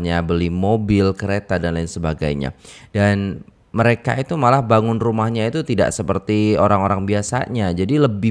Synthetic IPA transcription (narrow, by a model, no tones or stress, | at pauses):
ɲabəlimobɪlkəɾet̪adanlaɪnsəbaɡa̰jɲa̰dan | məɾeka̰it̪umalahbaŋʊnrumahɲait̪ut̪ida̰ʔsəpərt̪ioɾaŋoɾaŋbiasa̰ɲad͡ʒadiləbɪ